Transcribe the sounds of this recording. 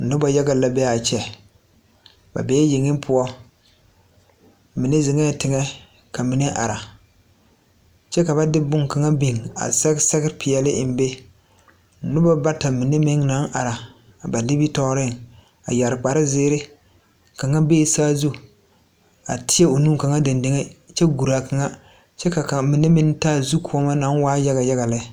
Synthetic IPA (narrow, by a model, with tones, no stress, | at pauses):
nʊ˦ba˦ja˦ɡa˨la˦bɛ˦a˨t͡ʃɛ˨ | ba̰˨bɛ˦jɪ˨ŋɪ˦m˦pʰʊ˦ɔ˦ | mi˨ne˦zɪ˨ŋɛ˦˨tɪ˨ŋɛ˦ | ka˨mi˨ne˦ʔa̰˨ɾa˨ | t͡ʃɛ˦ka˨βa˦dɪ˦bʊ˦ŋka˨ŋa˦bi˨ŋa̰˨sɛ˦sɛ˦ɡɪ˦ɾpɪ˨jɛ˨lɪ˦˨m̩˦be˦˨ | nʊ˦ba˦ba˦ta˨mi˨ne˦mɪ˦ŋna˨˦ŋʔa˨ɾa˨ | ba˨li˦bi˦tɔ˦ɾɪ˦˨ŋ | a̰˨ja˨ɾɪ˨k͡pa˨ɾɪ˦zɪː˦ɾɪ˦ | ka˨ŋa˦be˦˨˦saː˦zu˦ | a̰˨tʰɪ˦ɛ˦o˨nu˦ka˨ŋa˦da˨ndɪ˨˦ŋe˦t͡ʃɛ˦ɡu˨ɾa˨ka˨ŋa˦ | t͡ʃɛ˦ka˨ka˨mi˨ne˦mɪ˦ŋtaː˦zu˦kʰu˨˦ɔ˦ma˦na˦nwaː˦ja˦ɣa˨ja˦ɣa˨lɪ˦